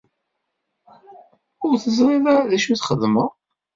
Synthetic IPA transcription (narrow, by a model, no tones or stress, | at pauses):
ʊɾθəzɾˤiðaðæʃuθχəðməʁ